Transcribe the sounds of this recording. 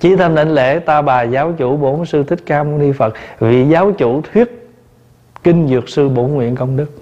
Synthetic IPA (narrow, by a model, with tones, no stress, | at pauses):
t͡ɕi˨˦t̪ʰa˧mɗa˧˦ŋlḛ˧˥t̪aː˧ɓaː˨˩zaː˨˦wt͡ɕṵ˧˩ɓo˧˨˦nsɨ˧t̪ʰï˦˥k̟̚kaː˧mo˧ni˧fə˨˩t̚vḭ˧˨zaː˨˦wt͡ɕṵ˧˩˥t̪ʰwi˦˥ət̚ | ki˧ŋzɨ˨˩ək̚sɨ˧ɓo˧˦nŋwḭ˧˨ənkə˧wŋ͡mɗɨ˦˥k̚